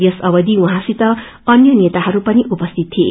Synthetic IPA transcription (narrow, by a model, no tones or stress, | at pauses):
jʌsʌbʌd̪iũɦãsit̪ʌ | ʌnjʌnet̪aɦʌɾupʌniʔupʌst̪ʰit̪̚ʰːiḛ